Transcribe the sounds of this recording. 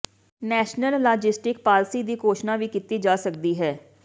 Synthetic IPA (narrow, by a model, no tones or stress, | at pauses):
nɛːʃnəlːaːd͡ʒɪsʈɪk̚paːlsiːd̪iːkoːʃnãːʋiːkit̪iːd͡ʒaːsəkd̪iːɦɛː